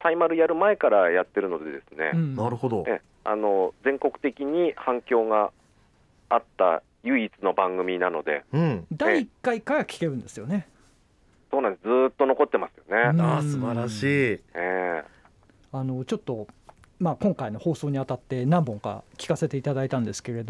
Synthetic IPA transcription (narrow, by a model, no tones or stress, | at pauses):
t̪aimaɾɯ̟jaɾɯ̟mae̞kaɾajat̪ːe̞ɾɯ̟no̞d̪e̞d̪e̞sɨne̞̰ɯ̃naɾɯ̟ho̞d̪oe | a̰no̞d͡zẽ̞ŋko̞kɯ̥t̪e̞kʲiɲ̟ihãŋkʲo̞ːɡaː | t̪ːa̰ | jɯ̟it͡sɨno̞bãŋɡɯ̟mʲinano̞d̪e̞̰ɯ̃ɴd̪aiːkːaikaɡkʲi̥ke̞ɾɯ̟̃nd̪e̞sɨjo̞ne̞ | so̞ːnãned͡zzɨːt̪ːo̞no̞ko̞t̪ːe̞masɨ̥jo̞ne̞ɯasɨbaɾaɕiːe | ano̞t͡ɕo̞t̪ːo̞ | maːkõŋkaino̞ho̞ːso̞ːɲ̟iat̪at̪ːe̞nãmbõ̞ŋka̰kʲi̥kase̞t̪e̞it̪ad̪ait̪ãnd̪e̞sɨ̥ke̞ɾe̞d̪o